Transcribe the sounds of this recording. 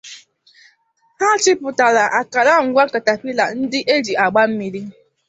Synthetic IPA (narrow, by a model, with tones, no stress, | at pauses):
ha˦t͡ʃɪ˦pʊ˨ta˨la˨ʔa˨ka˨la˦ŋ̩˨ɡʷa˦ka˨ta˨pi˦la˨n̩˦dɪ˦ʔe˦d͡ʒi˨a˨ɡ͡ba˦m̩˦mi˨ɾi˦